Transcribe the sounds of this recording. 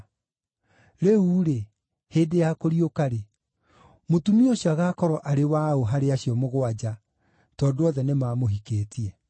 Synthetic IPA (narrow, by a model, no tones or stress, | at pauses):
ɾeuːɾe | heːdejakoɾiokaɾe | motumioɕjɔaɣaːkɔɾɔʔaɾewaoɦaɾeaɕijɔmoɣwad͡ʑa | tɔːdoɔðɛnemaːmoɦikeːtiɛ